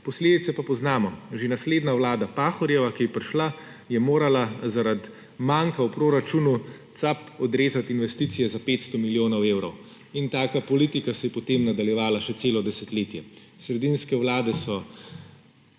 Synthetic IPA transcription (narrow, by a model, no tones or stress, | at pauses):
pɔsleːd̪it̪sɛpapɔznaːmɔʒenasleːd̪nawlaːd̪apaːxɔɾjɛʋakijɛpɾiʃla | jɛmoːɾalazaɾad̪ | maŋkaupɾoːɾat͡ʃunut̪sapɔd̪ɾeːzat̪inʋɛst̪isijɛzapeːt̪st̪ɔmiljoːnɔweːwɾɔw | int̪aːkapɔliːt̪ikasɛjɛpɔt̪eːmnad̪aljɛʋaːlaʃɛt̪seːlɔd̪ɛsɛt̪leːt̪jɛ | sɾɛd̪inskɛwlaːd̪ɛsɔ